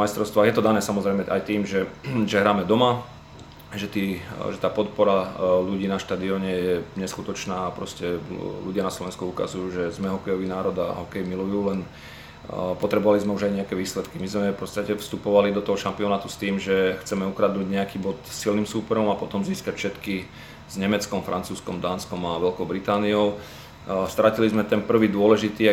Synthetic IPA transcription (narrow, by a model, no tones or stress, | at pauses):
majst̪ɾɔʊst̪ʋaːɣjɛt̪ɔd̪anɛːsamɔzɾɛjmɛʔa̰jt̪iːmʒɛʒɛɦɾaːmɛd̪ɔma | ʒɛt̪iːʒɛt̪aːpɔt̪̚pɔɾaluɟiːnaʃt̪aːd̪iɔɲɛjɛɲɛskut̪ɔt͡ʃnaːapɾɔscɛlṵɟɪanaslɔʋɛnskuuka̰zujuːʒɛzmɛɦɔkɛjɔʋiːnaːɾɔd̪a̰ɦɔkɛjimilujuːlɛn | pɔt̪ɾɛbɔʋalizmɛuʒajɲɛakɛʋiːslɛt̪kimizmɛfpɔt͡sst̪acɛfst̪upɔʋalid̪ɔt̪ɔɦɔʃampiɔnaːt̪ust̪iːmʒɛxt͡sɛmɛukɾad̪nuːɟɲɛakiːbɔt̪silnimsuːpɛɾɔmapɔt̪ɔmziːskacfʃɛt̪ki | z̥ɲɛmɛt͡skɔmfɾʔant͡suːskɔmd̪aːnskɔmaʋɛlkɔʊbɾit̪aːniɔʊ | st̪ɾacilizmɛt̪ɛnpr̩ʋiːd̪ʊɔlɛʒit̪iː